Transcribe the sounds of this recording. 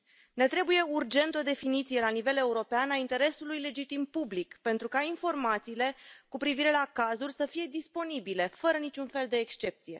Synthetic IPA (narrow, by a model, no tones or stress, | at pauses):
ne̞t̪ɾe̞buje̞urd͡ʒe̞nt̪o̞d̪e̞finit̪sije̞lanive̞le̞uɾo̞peanaint̪e̞ɾe̞sulujle̞d͡ʒit̪impublikpe̞nt̪ɾukainfo̞rmat̪siːle̞kupɾiviɾe̞lakazulʲsəfije̞d̪ispo̞nibile̞fəɾənit͡ʃunfe̞ld̪e̞ːkst͡ʃe̞p̚t̪sije̞̰